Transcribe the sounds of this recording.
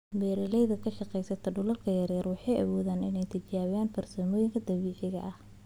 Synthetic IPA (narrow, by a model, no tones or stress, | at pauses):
mɛːɾɐlɛjðɐkʰɐʃɑqɛjsɐt̪ʰɐɖʊlɐlkʰɐjɐɾɛːrwɑħɑjʔɐ̰wɔːðaːnɪnɛjt̪ʰɪt͡ʃaːβɪjaːnpʰɐrsɔːmɔːjɪŋkʰɐd̪ɐβiːʕɪɣɐ̰ʔɐh